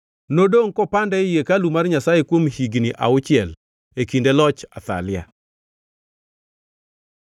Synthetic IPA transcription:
nodoŋkɔpandɛjekalumarɲasajekwomhiɡniʔa̰ʊt͡ʃɪɛl | ekindelɔt͡ʃat̪a̰lja̰

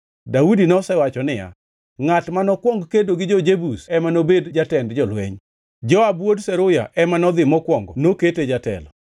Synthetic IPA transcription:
daudinɔsɛwat͡ʃɔnɪja̰ | ŋatmanɔkwɔŋɡkedoɡɪd͡ʒɔd͡ʒebusɛmanobedd͡ʒatɛndd͡ʒɔlwḛɲ | d͡ʒɔabwodsɛɾʊja̰ʔɛmanɔd̪ɪmɔkwɔŋɡɔnoketed͡ʒatɛ̰lɔ

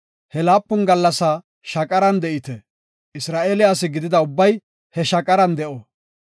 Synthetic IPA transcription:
hɛlaːpːʊnɡɐlːɐsa | ʃɐkʼɐɾɐnd̪ɛʔɪt̪ɛ | ɪsɾaːʔeːlɪaːs̬ɪɡɪd̪ɪd̪ɐʊbːɐj | hɛʃɐkʼɐɾɐnd̪ɛʔo

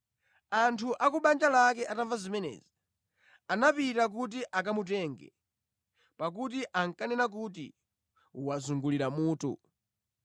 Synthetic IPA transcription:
antʰuʔakuɓand͡ʒalak̬ɛʔataɱvazimɛnɛ̰ːzi | anapitak̬ut̬iʔak̬amut̬ɛːŋɡɛ̰ | pak̬ut̬iʔaŋkanɛnak̬utḭ | uwazuŋɡuliɾamuːtṵ

